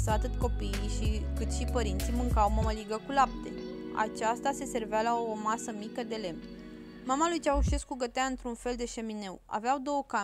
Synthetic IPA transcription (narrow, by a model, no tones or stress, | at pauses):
səat̪ɨt̪ko̞piːʃikɨt̪ʃipəɾint̪simɨŋkawmaməliɡəkulap̚t̪e̞a̰t͡ʃast̪ase̞se̞rvealaomasəmikəd̪e̞le̞m | mamalujt͡ʃauʃe̞skuɡət̪eaɨnt̪ɾunfe̞ld̪e̞ʃe̞mine̞wa̰veawd̪o̞wəka